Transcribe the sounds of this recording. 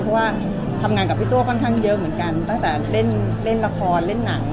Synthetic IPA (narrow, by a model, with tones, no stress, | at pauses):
pʰɔ˦˥waː˥˩ | t̪ʰa˧mŋaː˧nka˨˩pʰi˥˩t̪u˥˩ɐkʰɔ˥˩nkʰaː˥˩ŋjɤ˦˥ʔmɯ˩˦ənka˧nt̪a˥˩ŋt̪ɛː˨˩le˥˩n | le˥˩nla˧kʰɔː˧nle˥˩nːa˩˦ŋ